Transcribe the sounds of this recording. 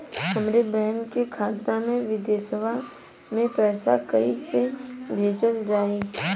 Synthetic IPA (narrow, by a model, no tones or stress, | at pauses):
ɦəmɾebɛɦənkekʰaːt̪namẽʋɪd̪eːsəbʱa | mẽpɛːsa̰kɐisebʱeːd͡ʒəld͡ʒaːe